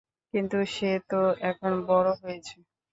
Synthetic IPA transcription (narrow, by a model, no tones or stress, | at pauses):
kint̪uʃet̪oɛkʰonbɔɾoɦojet͡ɕʰe